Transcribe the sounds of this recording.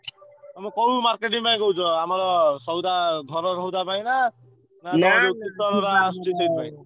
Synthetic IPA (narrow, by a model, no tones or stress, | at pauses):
amɔkɔɾumaɾkeʈiŋpaj̃ɡɔwt͡ʃʰɔamɔɾɔsɔwd̪aɡ̪ʱɔɾɔɾɔɦud̪apaĩna | nanaɾukut̪ɔɾɔɾaːsʈit̪ʰɔjpaĩ